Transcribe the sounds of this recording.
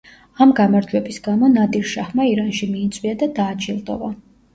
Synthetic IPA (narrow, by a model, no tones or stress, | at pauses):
amɡamaɾt̪ʰwɛbisɡamɔnad̪iɾʃahmaiɾanʃimiːt̪sʼwiad̪ad̪aːt͡ʃʰilˠd̪ɔ̰va